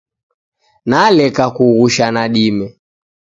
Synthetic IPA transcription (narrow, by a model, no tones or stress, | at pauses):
nalɛkakuɣuʃanaɗimɛ